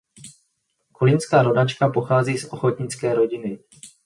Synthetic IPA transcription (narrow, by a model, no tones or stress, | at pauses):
kulɪnskaːɾo̞dat͡ʃkapo̞xaːziːsʔo̞xot̪ɲɪt͡skɛːɾo̞ɟɪnɪ